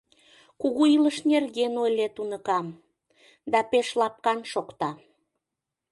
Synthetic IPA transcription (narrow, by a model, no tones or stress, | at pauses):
kuɣuiləʃnerɣenojlet̪unəkɑm | d̪ɑpeʃlɑp̚kɑnʃokt̪ɑ